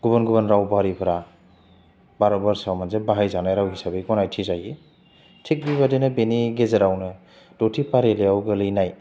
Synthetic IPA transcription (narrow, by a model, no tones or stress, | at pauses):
ɡuβɔnɡubanɾawbaɾipʰɾa | baɾɔbaɾsawmansebaɦajzanajɾawɦisabeɡɔnajtʰizaji | tʰik̚bibadenɯbeniɡezeɾawnɯ | d̥otʰipaɾeleawɡɯlɯjnaj